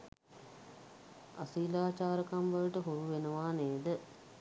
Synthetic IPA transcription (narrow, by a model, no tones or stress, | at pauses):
a̰siːlaːt͡ʃaːɾəkamʋaləʈəɦoɾuʋenəʋaːneːd̪ə